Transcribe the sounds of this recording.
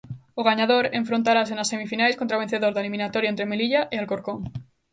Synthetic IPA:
oɣaɲaðoɾeɱfɾont̪aɾas̬enase̞mifinajskont̪ɾaβe̞n̟θeðoɾðalimĩnat̪oɾjoent̪ɾemeliʎaʔealkoɾkoŋ

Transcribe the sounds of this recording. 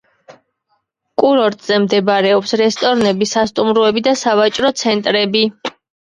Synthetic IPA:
kʼuɾɔɾt̪ʼzɛmd̪ɛbaɾɛɔpsɾɛst̪ʼɔɾnɛbisast̪ʼumɾuɛbid̪asavat͡ʃʼɾɔt̪sʰɛnt̪ʼɾɛbi

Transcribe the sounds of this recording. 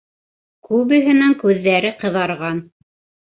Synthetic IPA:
kʉβɘ̆ɦɘ̆næŋkʉðːæɾɘqɤ̆ðɑɾʁɑn

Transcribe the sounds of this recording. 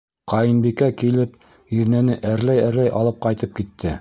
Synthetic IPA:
qɑjɤnbikækilɘp | iɾnænɘʔæɾlæjæɾlæjʔɑ̰lˠɤp̚qɑjt̪ɤp̚kit̪ʰːɘ

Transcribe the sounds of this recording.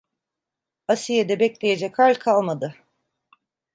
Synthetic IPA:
asijed̪ɛbɛclʲe̞jed͡ʒɛkʰalʲkʰalˠmad̪ɯ

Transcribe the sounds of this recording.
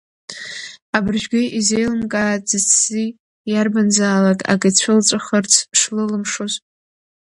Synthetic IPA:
abɨrʒᶣɡʲɪʔizejlɨmkʼaːtʼzɨt͡sʰz̥i | jarbanzaːlakʼa̰ɡat͡ɕʷʰɨlt͡sʷʼaχərt͡sʰʂlɨlɨmʂozʼ

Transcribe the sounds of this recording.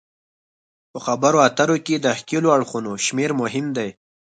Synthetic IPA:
pəxabaɾoat̪aɾoked̪əxkeloaɽxunoʃmeɾmʊɦɪmd̪aj

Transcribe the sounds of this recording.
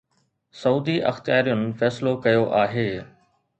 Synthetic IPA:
sɐuːd̪iʔɐ̰xt̪ijaːɾijʊnɪ̆fɛːslokɐjoʔaːɦeː

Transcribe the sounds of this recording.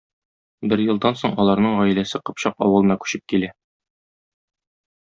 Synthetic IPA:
bɘɾjɤ̆lˠd̪ɑnsoɴɒlˠɑɾnɤɴʁɒj̆læsɘqɤ̆pɕɑqɒ̰wɤ̆lˠɤ̆nɑkʉ̥ɕɘp̚kilæ

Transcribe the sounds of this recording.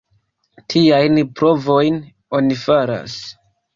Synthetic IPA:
tʰiajnpɾo̞vo̞jn | o̞nifaɾa̰s

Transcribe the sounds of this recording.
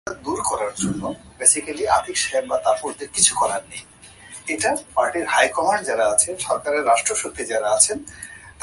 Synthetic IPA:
ad̪uɾkɔɾaɾd͡ʑonːobesikaliad̪ʱikʃembat̪apoɾd̪eɾkit͡ɕʰukɔɾannej | eʈapaɾʈiɾhajkɔmand͡ʑaɾaat͡ɕʰenʃɔɾkaɾeɾːaʃʈɾoʃok̚t̪id͡ʑaɾaat͡ɕʰent̪

